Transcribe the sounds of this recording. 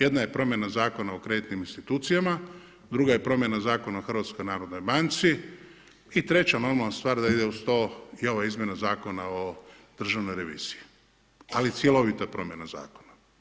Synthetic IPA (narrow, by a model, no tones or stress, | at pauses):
je̞d̪naje̞pɾo̞mje̞nazaːko̞naokɾe̞d̪it̪niminst̪it̪uːt̪sijama | d̪ɾuɡaje̞pɾo̞mje̞nazaːko̞naoxr̩ʋat̪sko̞jnaːɾo̞d̪no̞jbant̪si | it̪ɾe̞t͡ɕano̞ɾmalnast̪ʋaːɾd̪aid̪e̞ust̪o̞io̞ʋaizmʲjenazaːko̞nao | d̪̥r̩ʒaʋno̞jɾe̞ʋḭːz̥iji | alit̪sjelo̞ʋit̪apɾo̞mje̞naza̰ːko̥na